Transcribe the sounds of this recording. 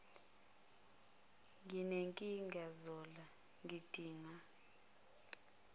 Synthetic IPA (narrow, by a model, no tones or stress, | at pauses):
ŋɡineŋkʼiŋɡazɔla | ŋʱid̥ʱiːŋa